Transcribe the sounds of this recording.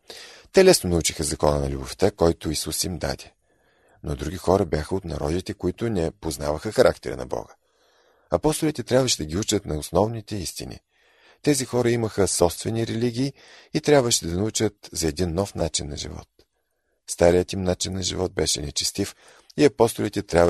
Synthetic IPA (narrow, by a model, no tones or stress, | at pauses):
t̪ɛlɛsnonɐut͡ʃixəzɐkɔnənɐ̰lʲuboft̪akɔjt̪ʊisusimd̪a̰d̪ʲɛ | nod̪ɾuɡʲixɔɾəbʲjaxəot̪nɐɾɔd̪it̪ɛkoit̪ʊnɛpoznavəxəxɐɾʔakt̪ɛɾə̰nɐ̰bɔ̰ɡə | ɐpɔst̪ʊlʲit̪ɛt̪ɾʲabvəʃɛd̪ɐɡʲiut͡ʃət̪nɐʊsnɔvnit̪ɛist̪ḭnḭ | t̪ɛzixɔɾəiməxəsɔpst̪vɛniɾɛliɡʲiː | t̪ɾʲjabvəʃɛd̪ɐnɐut͡ʃət̪zɐɛd̪inːɔfnat͡ʃinːɐ̰ʒḭvɔ̰t̪̚ | st̪aɾijət̪imnat͡ʃinːɐʒḭvɔt̪̚bɛʃɛnɛt͡ʃɛ̥st̪if | iɐpɔst̪ʊlit̪ɛt̪ɾʲa